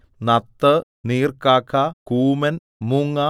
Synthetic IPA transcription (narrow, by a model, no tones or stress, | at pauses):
nɐt̪ːɐ | niːrkaːkːakuːmɐn | muŋːa